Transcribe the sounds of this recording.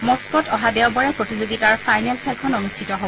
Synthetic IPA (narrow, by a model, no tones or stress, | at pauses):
mɔskɔtɔɦadɛwbɔɹɛpɹotizoɡitaɹpajnɛlsʰɛlkʰɔnonustʰitɔɦob